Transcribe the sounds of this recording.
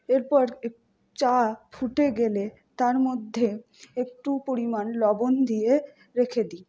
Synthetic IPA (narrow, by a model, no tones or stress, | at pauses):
eɾpɔɾe | t͡ɕafʰuʈeɡele | t̪aɾmod̪ʱːe | ek̚ʈupoɾimanlɔbond̪ije | ɾekʰed̪i